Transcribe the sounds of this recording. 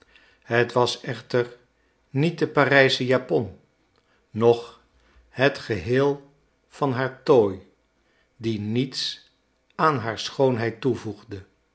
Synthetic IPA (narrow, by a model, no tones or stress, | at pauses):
ɦətʋɑsɛχtər | nit̚dəparɛjsəjaːpɔnː | ɔχ | ɦətχəɦɪːlˠ | v̥ɑnɦaːɹtoːj | dinits | aːnɦaːɹsχownɦɛjtuvuχdə